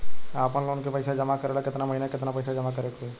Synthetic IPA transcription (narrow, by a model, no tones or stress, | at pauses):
aːpənlonkepəɪsad͡ʒəmakəɾelakɪt̪naməɦinakɪt̪napəɪsad͡ʒəmakəɾekʰue